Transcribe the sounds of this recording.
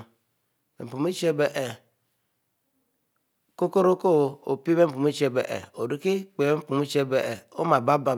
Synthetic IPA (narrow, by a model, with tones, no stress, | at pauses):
bḛ˨m̩˨pu˨mi˦t͡ʃe˦be˨ʔɛ˨ | ko˦ko˦ɾo˦ko˦˨o̰˨pi˦be˦m̩˦pu˨mi˦t͡ʃe˦bḛ˨ʔɛ̰˨o˨du˦ki˦k͡pe˨be˦m̩˦pu˨mi˦t͡ʃe˦be˨ʔɛ˨o˦ma˨ba˦ba˨